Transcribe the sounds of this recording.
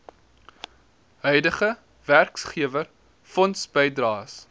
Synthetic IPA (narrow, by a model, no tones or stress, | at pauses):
ɦœɥdəχə | værksχiəvər | fɔnsbəjdrɑːs